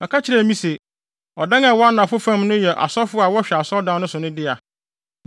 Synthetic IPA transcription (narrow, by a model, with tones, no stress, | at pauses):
ɛ˨kʰa˦t͡ɕʰɪ˨ɾɛ˦˨mĩ˦se˨ | ɔ˨dã˦ŋa˨wɔ˦a˦nã˨fʊ˦fã˦mnʊ̃˦jɛ˨ʔa̰˨sɔ˦fʊ˦a˨wɔ˦ɕᶣɛ˨a˨sɔ˦dã˦nʊ̃˦sʊ˨nʊ̃˦dɪ˦a˨